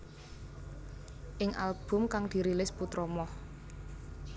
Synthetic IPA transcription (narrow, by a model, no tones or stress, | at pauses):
ʔɪŋʔa̰lb̥ʊ̤mkaŋd̪̥i̤ɾilɪsput̪ɾɔmɔh